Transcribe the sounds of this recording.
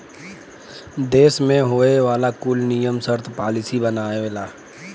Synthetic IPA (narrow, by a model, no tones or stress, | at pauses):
d̪eːsmẽɦoːeʋaːlakuːlnijəmsəɾt̪ʰpaːlɪsibənaːeeːlaː